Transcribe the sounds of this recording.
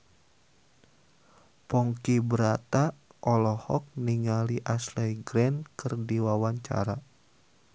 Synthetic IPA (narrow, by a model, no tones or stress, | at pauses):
pɔŋkibəɾat̪aʔɔlɔhɔk̚niŋaliʔaslɛjɡɾɛnkɨrdiwawaɲt͡ʃa̰ɾa